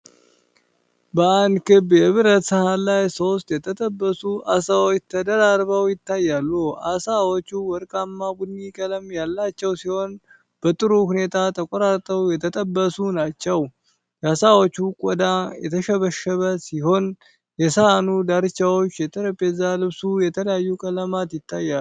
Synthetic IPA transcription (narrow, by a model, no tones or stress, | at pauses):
bəand̪kʰɨbjɛɨβɨɾət̪səhalajso̞st̪jɛt̪ʰət̪ʼəbːəsuʔasawot͡ʃt̪ʰəd̪əɾaɾbəwjɪt̪ːajːalːuʔasawot͡ʃːuwɔɾkʼamːabud̪nikʼələmjalːat͡ʃːɛwsiho̞n | b̥ət̪ʼɨɾuhune̞t̪ʰat̪ʰəkʼɔɾaɾt̪ʼːəwjɛt̪ʰət̪ʼəbːəsunat͡ʃːɛw | jasawot͡ʃːukʼɔd̪ajɛ̰t̪ʰəʃəβəʃəβəsiho̞n | jɛsəhanud̪aɾɨt͡ʃːawot͡ʃːjɛt̪ʰəɾəpʼezalɨβsujɛt̪ʰələjajːukʼələmat̪jɪt̪ːajːa